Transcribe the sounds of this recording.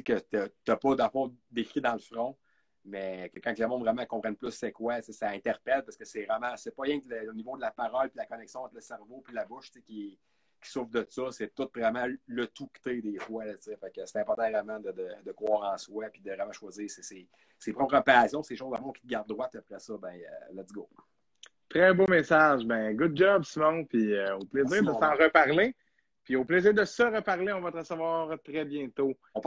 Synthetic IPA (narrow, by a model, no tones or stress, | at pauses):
ikət̪ət̪ɐpɔd̪ɑ̃fɔ̃d̪ekʁid̪ɑ̃lfʁɔ̃ | mɛkəkãklemɔ̃vʁɛmãkɔ̃pʁɛnplʏsːɛkwat͡sesaɛ̃t̪ɛʁpɛlpasə̥kəsɛvʁɛmãsɛpɔʁjɛ̃kləonivod̪əlapaʁɔlpʲilakɔnɛksjɔ̃ɑ̃t̪χləsɛʁvopilabʊʃt͡sekʲe | kʲi̥sʊfd̪əsɔsɛt̪ʊt̪vʁɛmãlət̪ukt̪ed̪eːfwalət͡sɪfɛkəse̥t̪ɛ̃pɔʁt̪ãvʁɛmãd̪əd̪əd̪əkχwɑːʁɑ̃swapid̪əvʁɛmãʃwaziːʁsese | sepʁɔpʁəpaːsjɔ̃seːʃozamɔ̃kʲi̥t̪əɡaʁd̪̚ːʁwat̪apʁɛsɔbɛ̃ə̰lɛt̪t͡sɡo | t̪ʁɛbomesaʒbɛ̃ɡud̪̚d͡ʒɔbsimɔ̃pʰioplezɪːʁd̪əsɑ̃ʁəpaʁle | pioplezɪːʁd̪əsəʁəpaʁleɔ̃vʌt̪əʁəsəvwɑːʁt̪ʁɛbjɛ̃t̪o | ɔ̃p